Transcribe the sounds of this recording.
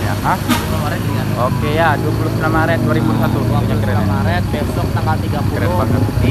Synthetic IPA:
a̰ɦamamaɾɛt̪̚d͡ʒiŋanokejaduapulusəmlamaɾɛt̪̚d̪uaɾibusat̪uuɲakəɾəamaɾɛt̪̚bɛsɔk̚nakalt̪iɡapukəɾəbaŋəi

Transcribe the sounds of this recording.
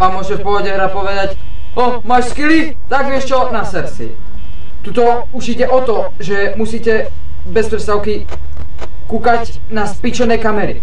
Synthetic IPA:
ʋaːmːʊɔʒɛpɔɔɟɛɦɾapɔʋɛd̪ac | ɔ | maʃskilif | t̪aɡʋɪɛʃt͡ʃɔnasɛɾsḭ | t̪ut̪ɔ | uʃiɟɛʔɔt̪ɔ | ʒɛmusiːcɛ | bɛspɾɛt̪st̪aʊki | kuːkaɟ | naspit͡ʃɔnɛjkamɛɾḭ

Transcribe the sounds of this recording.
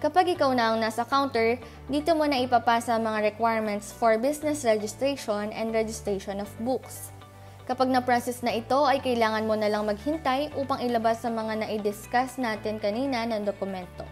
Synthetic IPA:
kɐpaɡʔɪkawnɐʔɐŋnaːsɐkawnt̪ɛɹ | d̪iːt̪omonɐʔɪpaːpaːsɐʔɐŋmɐŋaɹɛkwajɹmɛnt̪sfoɹbisnɛsɹɛd͡ʒɪst̪ɾɛjʃonʔɛ̰nd̪ɹɛd͡ʒɪst̪ɹɛjʃonɔfbuks | kɐpaɡ̚nɐpɹajsɛsnɐʔɪt̪o̞ʔɐjkɐjlaːŋɐnmonɐlaŋmɐɡ̚hɪnt̪ajʔuːpɐŋɪlɐbasːɐmɐŋanɐʔɪd̪ɪskasnaːt̪ɪnkɐniːnɐnɐŋd̪okʊmɛnt̪o̞̰

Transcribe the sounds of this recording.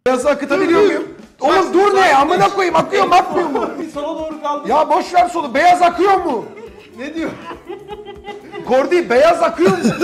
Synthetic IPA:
jazɯakɯt̪ʰabiɾijomjum | onud̪uɾneamɯnakojɯmakʰɯjomak̪mɯjomud̪oɾkˠjaːbo̞ʃvæɾso̞nube̞jazakʰɯjo̞mu | ned̪ijo | kʰoɾd̪ɯbejazakʰɯjo̞mʊ

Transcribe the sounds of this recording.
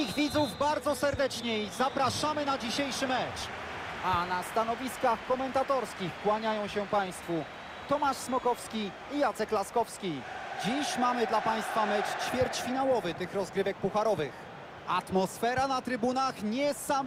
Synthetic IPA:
iɣvʲid̪zuvbaɾd̪zɔsɛɾd̪ɛt͡ʂɲɛizapɾaʂamɘnad͡ʑiɕejʂɘmɛt͡ʂ | anast̪an̪ɔvʲiskaxkɔmɛnt̪at̪ɔɾskʲixkwaɲajɔ̃w̃ɕɛpaj̃st̪fu | t̪ɔmaʂsmɔkɔfskʲi | ijat̪sɛklaskɔfskʲid͡ʑiɕmamɘd̪lapaj̃st̪famɛt͡ʂt͡ɕfʲjɛɾt͡ɕfʲinawɔvɘt̪ɘxɾɔzɡɾɘvɛk̚puxaɾɔvɘx | at̪mɔsfɛɾanat̪ɾɘbunaxɲɛssam

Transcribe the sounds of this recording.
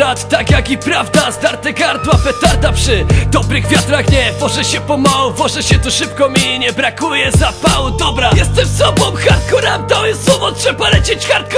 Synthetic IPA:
ɾat̪ːakʲjakipɾavd̪asd̪aɾt̪ɛɡaɾt̪wapɛt̪aɾt̪apʂɨd̪ɔbɾɨɣvʲjat̪ɾaxɲɛvɔʐɛɕɛpɔmawuvɔʐɛɕɛt̪uʂɘp̚kɔmʲiɲɛbɾakujɛzapawud̪ɔbɾajɛst̪ɛmsɔbɔ̃mxaɾt̪̚kɔɾamt̪awɛswɔvɔtʂɛbalɛt͡ɕet͡ɕxaɾt̪kɔ

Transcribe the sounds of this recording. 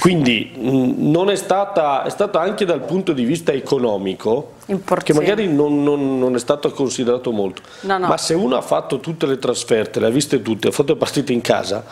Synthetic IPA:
kwind̪i | nonɛst̪aːt̪aɛ̰st̪aːt̪aaŋked̪alpunt̪od̪ivist̪aekonɔːmikʰo | impork̟emaɡaːɾinonːonːonɛst̪aːt̪akonsid̪eɾaːt̪omolt̪o̥ | maseuːnoa̰fːat̪ːot̪ut̪ːelet̪ɾasfɛrt̪eleavːist̪et̪ut̪ːea̰fat̪ːolepart̪iːt̪eiŋkʰa̰ːza̰

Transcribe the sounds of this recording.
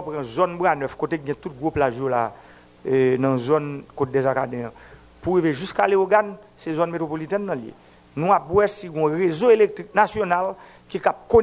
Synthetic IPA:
pʁãzɔnbʁanœfkoteɡɛ̃t̪ut̚ɡʁoplaʒola | nɐ̃zɔnkot̚dɛzakadɛ̃jã | puɣiveʒyskaleoɡan | sɛzɔnmet̪ʁopolit̪ɛnːɐ̃ljḛ | nũap̚bwɛsiɡɔ̃ʁezoelek̚t̪ʁiknasjonal | kikap̚ko

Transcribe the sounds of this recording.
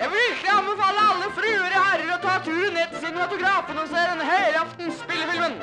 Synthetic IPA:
jæʋɪlɪklɪɑnbəfɑlːəɑlːəfɾʉːəɾɔhæɾəɾɔt̪ʰɑːt̪ʰʉːɾəneːt̪ʰɪlsɪnəmɑt̪ʊɡɾɑːfənɔseːd̪ɛnːəhœɪɾɑft̪nspɪlːəfɪlmən

